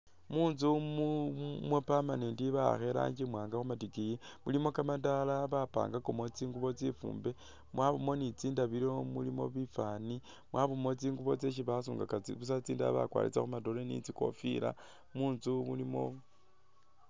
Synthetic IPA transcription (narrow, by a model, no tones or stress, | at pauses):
muːnzumumwepamanendiβaxeɾa̰ːɲd͡ʒimwaːŋɡaxumatikijimulimo̞kamandalaβapa̰ːŋɡakomot͡siːŋɡuβo̞t͡sifṵːmbe | mwʔaβomo̞nit͡siːndaβiɾo̞mulimo̰βifani | mwaβomo̞t͡siːŋɡuβo̞t͡seʃ̬iβasuːŋɡakaiβus̬at͡siːnda̰βa̰kwa̰ːlḭt͡sa̰xumadoɾenḭt͡siko̞̰fiɾa̰ | muːnzumulimo̞̰